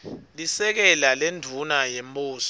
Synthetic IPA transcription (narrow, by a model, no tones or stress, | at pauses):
lisɛk̬ɛlalendʱunajemɓʼuːsɔ̥